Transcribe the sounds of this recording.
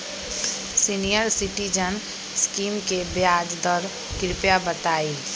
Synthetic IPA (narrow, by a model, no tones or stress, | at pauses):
sinijəɾsɪʈid͡ʒən | skiːmkebjaːd͡ʒd̪ɔɾ | kɪɾɪpjabət̪aːiː